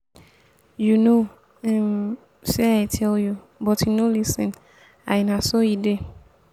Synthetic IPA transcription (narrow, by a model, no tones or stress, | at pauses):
juno | ɛ̃m | sɛajtʰɛlju | bɔtinolisɪ̃n | a̰ɪnãsojide